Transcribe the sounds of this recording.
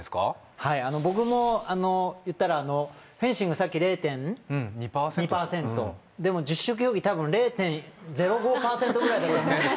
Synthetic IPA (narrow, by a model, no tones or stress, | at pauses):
eska̰ | haiano̞bo̞k̬ɯ̟mo̞ano̞jɯ̟t̪ːaɾaːno̞ | ɸẽ̞ɰ̃ɕĩŋɡɯsakʲːiɾe̞ːt̪ẽ̞ñɲipaːsɲipaːsẽ̞nt̪o̞̰ | d̪e̞mo̞d͡ʑɨɕːok̬ɯ̟joːɡʲit̪abɯ̟̃nɾe̞ːt̪ẽ̞nd͡ze̞ɾo̞ɡo̞ːpaːsẽ̞t̪o̞ɡɯ̟ɾaid̪aama